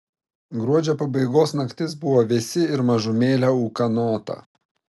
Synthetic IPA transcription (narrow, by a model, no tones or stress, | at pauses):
ɡɾuɔd͡ʒʲɛpɐbɐɪɡoːsnɐkt̪ʲɪsbʊʋoːʋʲɪsʲɪɪɾmɐʒʊmʲeːlʲɛuːkɐnoːt̪ɐ̰